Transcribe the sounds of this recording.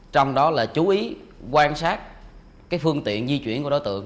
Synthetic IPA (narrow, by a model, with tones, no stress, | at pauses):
t͡ɕɔ˧wŋ͡mɗɔ˨˦laː˨˩t͡ɕu˨˦ʔi˨˦kwaː˧nsaː˦˥t̚ | kaː˨˦jfɨ˧əŋt̪ḭ˧˨ənzi˧t͡ɕwḭ˧˩ənku˧˩ɗo˨˦jt̪ɨ̰˧˨əŋ